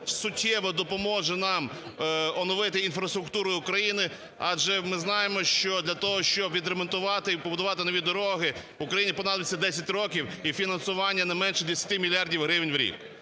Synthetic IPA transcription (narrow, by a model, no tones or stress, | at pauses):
sʊtʲːɛʋɔd̪ɔpɔmɔʒɛnɑm | ɔnɔʋɪt̪ɪinfɾɐst̪ɾʊk̚t̪uɾʊjʊʊkɾɐjinɪ | ɑ̰d͡ʒɛmɪznɑjemɔʃt͡ʃɔd̪lʲɐt̪ɔɦɔʃt͡ʃɔbʋʲid̪ɾemɔnt̪ʊʋɑt̪ɪpɔbʊd̪ʊʋɑt̪ɪnɔʋʲid̪ɔɾɔɦɪ | ʊkɾɐjinʲipɔnɑd̪ʋʲɪt͡sʲːɐd̪ɛsʲɐtʲɾɔkʲiwifʲinɐnsʊʋɑnʲːɐnɐmɛnʃɛd̪esʲɐt̪ɪmʲilʲiɑrdʲiwɦɾɪʋnʲʋɾʲḭk